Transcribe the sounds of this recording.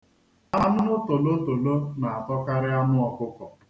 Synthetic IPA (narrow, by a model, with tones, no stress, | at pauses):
a˦nʊ˦nʊ˦to˨lo˦to˨lo˦na˨a˨tɔ˦ka˦ɾɪ˦a˦nʊ˦ɔ˨kʊ˦kɔ˨